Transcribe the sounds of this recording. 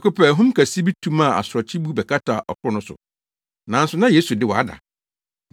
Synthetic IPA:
kʊ˦pʰɛ˨ɦʊ̃˦m˦kʰa˨si˦bi˦tʰũ˦ma˦˨a̰˨sʊ˨ɾɔ˨t͡ɕʰi˦bu˦bɛ˨kʰa˦tʰa˨ʔɔ̰˨kʰʊ˦nʊ̃˦sʊ̰˨ | nã˨˦n˦sʊ˨nã˦jeː˦su˨dɪ˦˨wɔ˨a̰˦da̰˨

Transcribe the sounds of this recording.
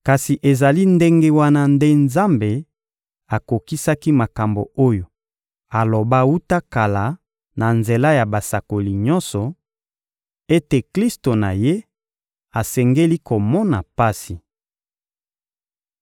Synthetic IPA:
ka˨si˨ʔe˨za˨li˦nde˦ŋɡe˦wa˦na˦nde˦nza˦mbe˨ | a˨ko˨ki˦sa˦ki˦ma˨ka˨mbo̰˨o˦jo˨ | a˨lo˨ba˦wu˦ta˦ka˨la˨ | na˨nze˨la˦ja˨ba˨sa˨ko˨li˨ɲɔ̃˦nsɔ˨ | e˦te˨kli˦sto˨na˨je˦ | a˨sɛ˨ŋɡe˦li˦ko˨mɔ˦na˨pa˦si˨

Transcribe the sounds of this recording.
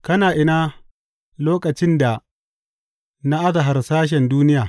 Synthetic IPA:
kɐ˦naː˨ʔɪ˦naː˦ | loː˦kɐ˨t͡ʃɪ˦nda˨ | na˦ʔa˦za˨ɦa˨rsaː˦ʃ̬ɛ˨nduː˦nɪ˦jaː˨

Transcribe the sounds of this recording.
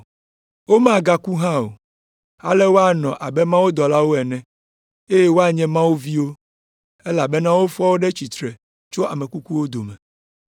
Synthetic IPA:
wo˦mã˦˨ɡa˦ku˦ɦã˦o̰˨ | a̰˦lɛ˦wo˦a˦nɔ̃˨ʔa˨bɛ˦mã˦wo˦d̪ɔ˨la˦wo˦ɛ˨nɛ̃˨ | e˦je˦wo˦a˦ɲɛ̃˦mã˦wo˦vi˦wo˦ | ɛ˦la˨bɛ˦nã˦wo˦fɔ˦wo˦ɖɛ˦t͡ɕi˨t̪ɾɛ˨ | t͡ʃo˦a˨mɛ̃˨ku˦ku˦wo˦d̪o˨mɛ˨

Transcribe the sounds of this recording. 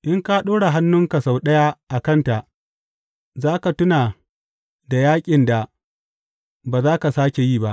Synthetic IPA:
ʔɪ˦ŋka˦ɗoː˦ɽa˨ɦa˦nːʊ˦ŋka˨sa˨wɗɐ˦ja˦ʔa˨kɐ˦nta˨ʔ | zaː˦ka˨tʊ˦naː˨ | da˨jaː˦kʲʼɪ˨nda˨ | baː˨zaː˦ka˨saː˦kʲe˨jiː˦˨ba˦ʔ

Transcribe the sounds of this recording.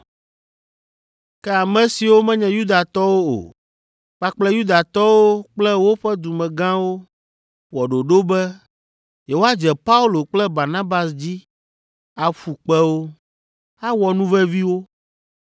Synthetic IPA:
kɛ˦a˨mɛ̃˨si˨wo˦mɛ̃˦ɲɛ̃˨ju˦d̪a˨t̪ɔ˦wo˦o̰˨ | k͡pa˦k͡plɛ˦ju˦d̪a˨t̪ɔ˦wo˦k͡plɛ˦wo˦ɸɛ˦d̪u˨mɛ̃˨ɡã˦wo˦ | wɔ˨ɖo˨ɖo˦bɛ˦ | jɛ˨wo˦a˦d͡ʒɛ˨pa˦u˦lo˨k͡plɛ˦ba˨ɾnã˦ba˨sd͡ʑi˦ | a˨ɸu˨k͡pɛ˦wo˦ | a˦wɔ˨nũ˦vɛ˦vi˦wo˦

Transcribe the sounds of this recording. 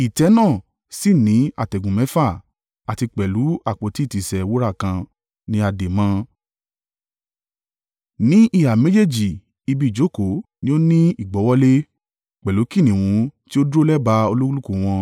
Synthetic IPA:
i˨tɛ˨˦nãː˦˨ | si˦˨nĩ˨˦a̰˦˨tɛ˨ɡũ˨mɛ̃˨˦fa˦˨ | a˨ti˧k͡pɛ˨lu˨˦a˦˨k͡po˨˦ti˦˨ti˨sɛ˨wo˦ɾa˦˨kã˧ | nĩ˦a˧de˨mã˧ | nĩ˦ʔi˦˨ha˨me˦d͡ʒe˦˨d͡ʒi˨ | i˧bi˦˨d͡ʒo˨˦˨ko˨nĩ˦o˦nĩ˦i˦˨ɡ͡bɔ˨˦wɔ˦le˦ | k͡pɛ˨lu˨˦ki˦˨nĩ˨wũ˨˧˦ti˦o˦dɾo˦lɛ˦ba˧o˧lu˦u˦lu˦ku˦˨w̃ɔ̃˧

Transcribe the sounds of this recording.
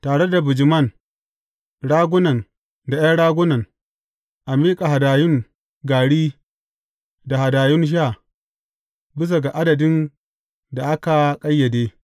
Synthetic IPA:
taː˨ɽe˦da˨bɪ˨d͡ʒɪ˨mɐ˦˨n | ɽaː˦ɡʷʊ˦nɐ˨n | da˨ja˦ɽaː˦ɡʷʊ˦nɐ˨n | ʔa˨miː˦kʼa˨ɦa˨daː˨jʊ˦ŋ | ɡaː˨ɽiː˦ | da˨ha˨daː˨jʊ˦nʃ̬a˦˨ | bɪ˦s̬a˨ɡa˨ʔa˦dɐ˨dɪ˦n | da˨ʔa˦ka˨kʼɐ˦jːɐ˨deː˦

